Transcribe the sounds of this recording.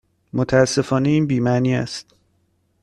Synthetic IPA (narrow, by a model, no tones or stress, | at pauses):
mot̪ʰææsːe̞fɒːne̞iːnbiːmæniːæ̰st̪̚